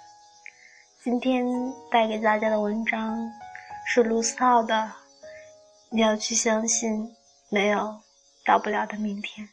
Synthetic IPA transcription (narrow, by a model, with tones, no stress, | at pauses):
t͡ɕi˥nt̪ʰjɛ˥nt̪a˥˩ɪke˧˥ɪt̪a˥˩t͡ɕja˥d̪ə˨wə˧˥nʈ͡ʂɑ˥ŋʂɻ̩˥˩lu˧˥s̩˥ɑ˥˩ʊd̪ə˩ | ni˨˩jɑ˥˧ʊt͡ɕʰy˥˩ɕjɑ˥ŋɕi˥˩n | ne˧˥ɪjo˨˧˩ʊ | t̪ɑ˥˧ʊpu˥˩ljɑ˨˩ʊd̪ə˧mi˥˩ŋt̪ʰjɛ˥˩n